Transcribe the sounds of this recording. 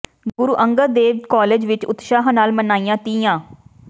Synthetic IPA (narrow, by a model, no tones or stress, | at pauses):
ɡʊɾuːʔəŋɡəd̪eːʋkɔːleːd͡ʒʋɪt͡ʃʊt̪ʃaːɦnaːlmənaːijãːt̪iːjãː